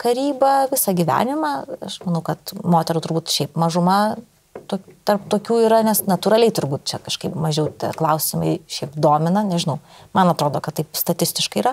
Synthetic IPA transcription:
kɐɾʲiːbɐʋʲɪsɐɡʲiʋʲæ̰ːnʲɪmɑɐʃmɐnɐʊkɐt̪moːt̪ʲɛɾut̪ʊɾbuːt̪ʃʲɛɪpmɐʒʊmɐ | t̪oːt̪ɐrp̚t̪oːkʲuːiːɾɐnʲɛsnɐt̪uːɾɐlʲɛɪt̪ʊɾbuːt̪̚t͡ʃʲɛkɐʃkɐɪpmɐʒʲɛʊt̪ʲɛ̰klˠɐʊsʲɪmɐɪʃʲɛɪpd̪oːmʲɪnɐnʲɛʒʲɪnɐʊ | mɐnɐt̪ɾoːd̪oːkɐtt̪ːɐɪpst̪ɐt̪ʲɪsʲt̪ʲɪʃkɐɪiːɾɐ

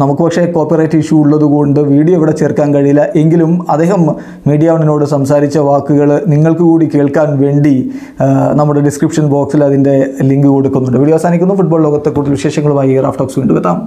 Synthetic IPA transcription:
nɐmukːɨpɐkʂe̞ko̞ːpːirɐjtːiʂuːɭːɐðuɣoɳɖɨʋiːɽijoiʋiɽe̞t͡ɕe̞ːrkːaːnkɐɻijilːɐʔe̞ŋɡilumɐd̪ːe̞ːɦɐmː | iːɖijaʋɐɳino̞ːɽɨsɐmsaːɾit͡ɕːɐʋaːkːuɣɐɭniŋːɐɭkɨkuːɽike̞ːɭkaːnʋe̞ːɳɖi | nɐmːuɽeɖiskripʂɐnboːksilɐðinde̞liŋɡɨko̞ɽukːunːuɳɖɨʋiɽijɐʋɐsaːnikʲːunːɐfuʈ̚boːɭlo̞ːɣɐt̪ːekːuːut̪ːilʋiʂe̞ːʂɐŋːɐɭumaːjira̰ːfʈoːksʋiːɳɖuʋet̪ːaːm

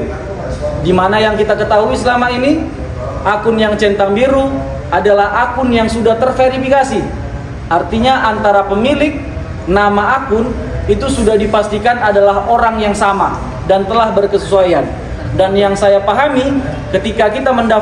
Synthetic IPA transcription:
dimanajaŋkit̪akət̪aɦuisəlamaini | ʔakʊnjaŋt͡ʃɛnt̪aŋbiɾu | adalahakʊnjaŋsudaht̪ərfeɾifikasi | ʔart̪iɲaʔant̪aɾapəmilɪk̚ | namaakʊn | it̪usudahdipast̪ikanadalaɦoɾaŋjaŋsama | dant̪əlahbərkəsəsuajan | danjaŋsajapaɦami | kət̪ikakit̪amənda

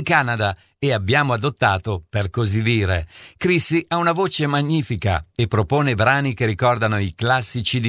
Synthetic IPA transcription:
ŋkaːnad̪a | eabːjaːmoad̪ot̪ːaːt̪operkozid̪iːɾekɾisːiʔaunavoːt͡ʃemaɲːiːfika̰epːɾopoːnebɾaːnikerːikɔrd̪anoiklasːit͡ʃid̪

